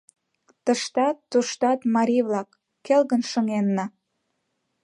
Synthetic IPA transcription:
t̪ə̆ʃt̪ɑt̪ːuʃt̪ɑt̪mɑɾʲiβlɑkː | elɣənʃə̆ŋenːɑ

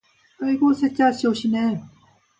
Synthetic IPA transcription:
ɯiɡosʰet͡ɕ͈aɕʰioɕʰine

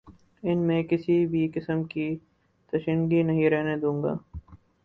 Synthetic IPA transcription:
ɪnmẽːkɪsibʱikɪsəmki | t̪ɐʃənɡinɐɦĩɾɛɦned̪ũːŋɡa̰ː

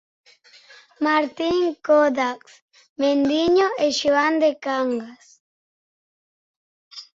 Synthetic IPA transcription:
maɾt̪iŋkoðaks | mend̪iɲoʔeʃoand̪ekaŋɡas

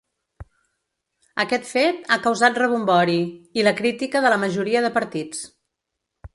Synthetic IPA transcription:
əkɛt̪fet̪akəwzat̪̚rəβ̞umbɔɾiiləkɾit̪ikəðələməʒuɾiəðəpəɾt̪it͡s

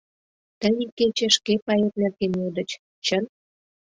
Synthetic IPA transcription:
t̪ənʲeket͡ɕĕʃkepɑjet̪̚nerkenod̪ə̆t͡ɕ | t͡ɕən

